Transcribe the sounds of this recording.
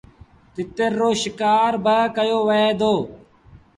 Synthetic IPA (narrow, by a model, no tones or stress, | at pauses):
t̪ɪt̪eɾːoːʃɪkaːɾbəkəjoːʋəeːd̪oː